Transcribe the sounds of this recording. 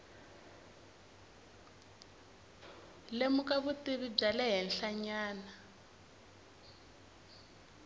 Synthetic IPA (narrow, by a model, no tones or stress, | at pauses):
lemukaβutiβib͡ʐalɛɦɛnɬaɲaːna